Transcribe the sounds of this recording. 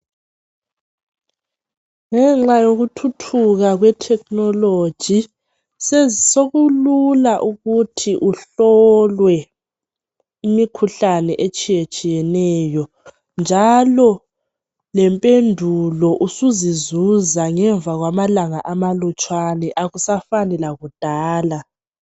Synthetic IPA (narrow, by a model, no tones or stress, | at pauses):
ŋɛŋ͡ǁajoɣutʰutʰuɣaɣwɛtʰɛk̚nɔlo̥ʒ̥ʱi | sɛsoɣululaʔuɣutʰiʔuɬɔlwɛ | imikʰuɬanɛʔet͡ʃʼijet͡ʃʼijɛnɛjɔ | nd͡ʒʱalɔ | lɛmpʼendʱulɔʔusuzizuzaŋɛɱbvaɣwamalaŋaʔamalut͡ʃʼwanɛʔaɣusafanɛlaɣud̥ʱaːla